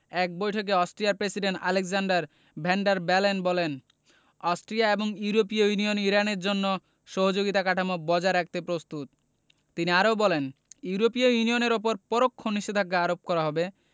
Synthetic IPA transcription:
ɛk̚bojʈʰok̬eɔsʈɾijaɾpɾesiɖeɳʈa̰leɡsaɳɖaɾ | bʱɛɳɖaɾbɛlenbɔlen | ɔsʈɾijaeboŋuuɾop̬iojunijoniɾaneɾd͡ʑonːo | ʃɔɦod͡ʑoɡit̪akaʈʰamobɔd͡ʑaɾak̚t̪epɾost̪ut̪ː | iniaɾowbɔleniuɾopiojunioneɾop̬oɾpɔɾokʰːoniʃed̪ʱakːaaɾop̚kɔɾaɦɔbe

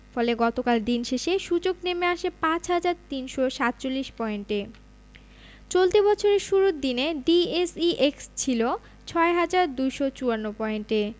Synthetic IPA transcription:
fɔleɡɔt̪okald̪inʃeʃeʃud͡ʑoknemeaʃepãt͡ɕɦad͡ʑaɾt̪inʃoʃat̪ːt͡ɕolːiʃpɔenʈe | t͡ɕolt̪ibɔt͡ɕʰoɾeɾʃuɾud̪ineɖiesiʔekst͡ɕʰilo | t͡ɕʰɔeɦad͡ʑaɾd̪ujʃot͡ɕuanːopɔenʈe

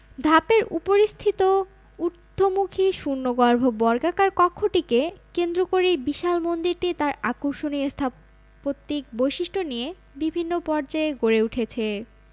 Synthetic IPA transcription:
d̪ʱapeɾʔṵpoɾist̪ʰit̪o | uɾt̪ʰːomukʰiʃunːoɡɔɾbʱobɔɾɡakaɾkɔkʰːoʈikekend̪ɾokoɾibiʃalmond̪iɾʈit̪aɾakoɾʃoniest̪ʰa | pot̪ːik̚bojʃiʃʈʰonije | bibʱinːopɔɾd͡ʑaeɡoɾeuʈʰet͡ɕʰe

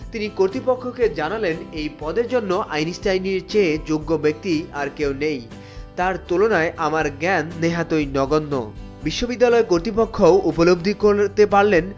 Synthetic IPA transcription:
t̪inikoɾt̪ɾipokʰːoked͡ʑanalenejpɔd̪eɾd͡ʑonːoʔa̰jnisʈajniɾt͡ɕed͡ʑoɡːobek̚t̪iaɾkewnej | t̪aɾt̪ulonaeʔamaɾɡɛnːeɦat̪ojnɔɡonːo̰ | biʃːobid̪ːalɔekoɾt̪ɾipokʰːoʔupolobd̪ʱikoɾt̪epaɾlen

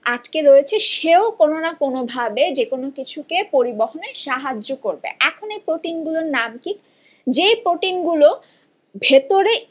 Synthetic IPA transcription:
aʈkeɾoet͡ɕʰeʃeokononakonobʱabed͡ʑekonokit͡ɕʰukepoɾiboɦoneʃaɦad͡ʑːokoɾbḛʔɛkʰonejpɾoʈinɡuloɾnamkik | d͡ʑejpɾoʈinɡulo | bʱet̪oɾe

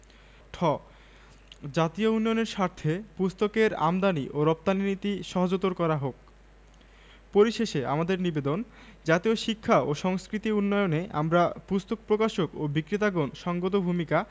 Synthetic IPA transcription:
ʈʰɔ | d͡ʑat̪iounːɔjoneɾʃaɾt̪ʰepust̪okeɾa̰md̪aniʔoɾɔp̚t̪aninit̪iʃɔɦod͡ʑot̪ːoɾkɔɾaɦok̚ | poɾiʃeʃea̰mad̪eɾnibed̪on | d͡ʑat̪ioʃikʰːaoʃɔŋskɾit̪iunːɔjoneʔa̰mɾapust̪ok̚pɾokaʃokobikɾit̪aɡonʃɔŋɡot̪obʱumika

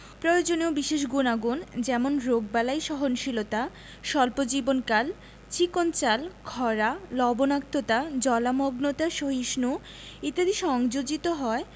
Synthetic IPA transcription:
pɾojod͡ʑoneobiʃeʃ̬ɡunaɡund͡ʑɛmonɾoɡ̚balajʃɔɦonʃilot̪a | ʃɔlpod͡ʑibonkal | t͡ɕikont͡ɕalkʰɔɾalɔbonak̚t̪ot̪ad͡ʑɔlamoɡnot̪aʃoɦiʃnu | it̪ad̪iʃɔŋd͡ʑod͡ʑit̪oɦɔe

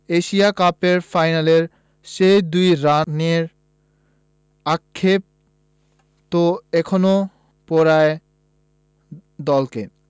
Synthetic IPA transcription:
eʃiakapeɾfajnaleɾ | ʃejd̪ujɾaneɾ | akʰːep̚ | t̪oɛkʰono | pɔɾae | d̪ɔlke

